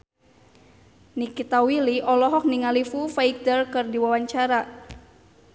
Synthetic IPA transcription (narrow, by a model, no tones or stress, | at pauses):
nikit̪awiliʔɔlɔɦɔk̚niŋalifufaik̚d̪ərkɨrdiwawaɲt͡ʃaɾa